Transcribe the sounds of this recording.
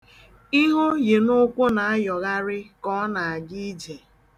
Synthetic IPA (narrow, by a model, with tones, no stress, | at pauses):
i˦ɦo˦je˨no˦kʷʊ˦na˨a˦jɔ˨ɣa˦ɾɪ˦kɔ˦na˨a˨ɡi˦d͡ʒe˨